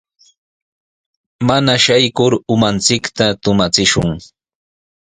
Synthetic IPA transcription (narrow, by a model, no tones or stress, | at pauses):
manaʃajkʊɾʊmant͡sɪkt̪at̪ʊmat͡sɪʃʊŋ